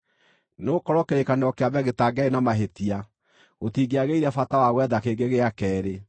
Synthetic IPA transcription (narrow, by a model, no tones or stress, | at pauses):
nokɔɾɔkeɾekaneɔkeaβɛɣetaɡɛenamaɦetia | otiːɡeaɣeiɾɛfatawaɣwɛðakeɡeɣeakɛːɾe